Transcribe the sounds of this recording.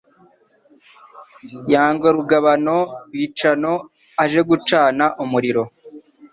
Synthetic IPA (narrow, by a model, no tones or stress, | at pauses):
jaːŋɡoɾuɡaβano̞ɾwit͡ʃano̞ | aʒe̞ɡut͡ʃaːnaʔumuɾiɾo̞